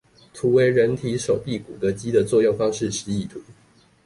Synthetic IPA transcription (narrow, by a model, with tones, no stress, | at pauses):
t̪ʰu˨˥we˧˥ɪɻə˧˦nt̪ʰi˨˥ʂo˨˩ʊpi˥˩ku˨˩d̪ə˨˦t͡ɕi˦d̪ə˨t͡swɔ˥˧jo˥˩ŋfɑ˥ŋʂɻ̩˥˨ʂɻ̩˧˥i˥˨˩t̪ʰu˨˦